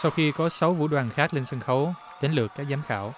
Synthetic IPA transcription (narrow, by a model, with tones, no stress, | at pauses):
sa˧wxi˧kɔ˨˦sə˨˦wvṵ˧˥ɗwaː˨˩nxaː˦˥k̚le˧nsə˧ŋxə˨˦w | ɗ̪e˨˦nlɨ˨˩əkːaː˦˥k̚zaː˨˦mxa̰ː˧˩w